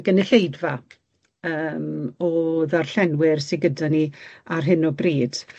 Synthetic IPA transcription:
ɡənɪɬejdva | əːmɔðarɬɛnwɪrsɪɡədaniarɦɨnɔbriːd̥

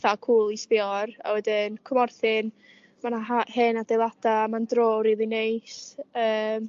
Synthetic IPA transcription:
θakʰuːlˠispɪɔra̰wɛdɪnkʰɔmɔrθɪn | manaɦahɨnadejlˠad̥amandroːɾiðinejsəːm

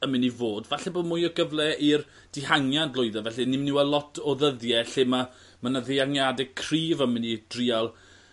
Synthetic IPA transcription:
əmɪnivoːdvaɬɛboːdmʊːjəɡəvlˠɛir | d̥ɪhaŋjandlˠʊɨðɛvɛɬinɪmnɪwɛlˠɔtʰɔðəðjɛɬɪma | mənaðeaŋjadɛkʰriːvəmɪnid̥rialˠ

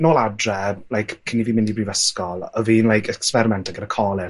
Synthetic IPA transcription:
noːladrɛlajkkʰːɪniviːmɪndibrivəskɔlˠəviːnlajkʰɛkspɛɾɪmɛntʰaɡədakʰɔːlɪ

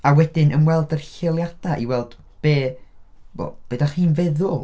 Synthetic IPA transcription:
awɛdɪnʔənwɛlˠdərɬɪlˠjad̥aʔiwɛlˠd̥ | b̥eː | bo̰b̥ədaχiːnvɛðʊlˠ

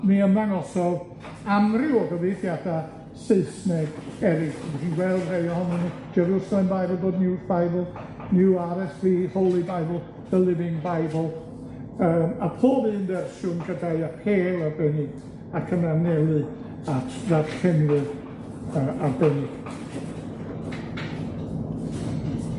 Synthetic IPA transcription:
niəmðaŋɔsɔlˠ | amrɪwɔɡəviθjada | sɪɨsnɛɡɛɾɪɡmiχinɡwɛlˠd̥rejɔhɔnɔnid͡ʒɛɾusalˠɛmbajbəlˠboːdnɪwajbəlˠ | nɪwaɾɛsvihowlˠibajbəl̩ˠ | d̥əlˠɪvɪŋbajbl̩ˠ | əːmapʰoːbindɛrsuːnɡədaɨapʰeːlˠabɛni | akʰənanɛlˠɨ | atʰðadkʰɛnrɨð | əːʔabɛnɪ̥

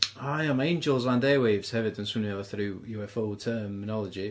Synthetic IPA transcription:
aɪə̃mẽɪ̃nd͡ʒəlˠzãndeːweɪvz̥hɛvədə̃nswɪ̃niəvəθɹʉːjəwɛfɔlˠtʰɜːmːɪnɒləd͡ʒi

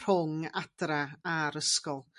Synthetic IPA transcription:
rʊŋad̥raaɾəskɔlˠ

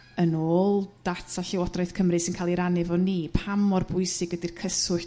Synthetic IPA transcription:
ənoːlˠd̥atʰaɬɪwɔdrɔɨθkʰəmrɨsɪnkʰaːlˠiɾanɨvɔniːpʰamɔrbʊɨsɨɡədirkʰəsʊɬ

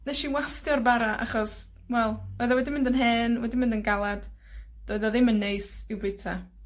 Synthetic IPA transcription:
nɛʃiwastjɔrbaɾaʔa̰χɔs | wɛlˠoːðɔwɛdɪmɪndənɦɛːnwɛdɪmɪndənɡalˠad̥ | d̥ɔɨðɔðɪmənːejsɪwbɨtʰa

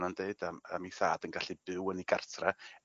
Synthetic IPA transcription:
nandeɨd̥amamiθaːd̥ənɡaɬibɨwəniɡa̰rtʰra

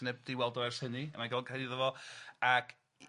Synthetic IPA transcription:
nɛb̚diwɛlˠdɔvɛrshəniəmaɡakʰraɪðɔvɔakʰ

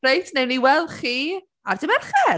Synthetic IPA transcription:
ejtʰnewniwɛlˠχiː | a̰rd̥ɪmɛrχɛ

